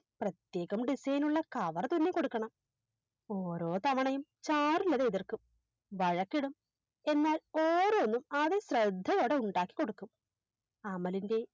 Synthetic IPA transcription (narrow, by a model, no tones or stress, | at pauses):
prɐt̪je̞ːɣɐmɖisɐjnuɭːɐkɐʋɐrɐt̪unːeko̞ɽukːɐɳɐm | oːɾo̞ːt̪ɐʋɐɳɐjumt͡ɕaːrulːɐðeːðirkum | ʋɐɻɐkːiɽum | e̞nːaːloːɾoːnːumɐðesrɐd̪ʱːɐɣo̞ːɽe̞uɳɖaːkːi̥koɽukːum | ɐmɐlinde̞